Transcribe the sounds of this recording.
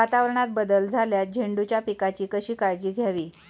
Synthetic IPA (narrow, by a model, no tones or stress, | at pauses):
at̪aʋəɾəɳat̪̚bəd̪əld͡zʱaljat̪̚d͡ʑʱeɳɖut͡ɕjapikat͡ɕiːkəɕiːkaɾd͡ʑiːɡʱjaʋiː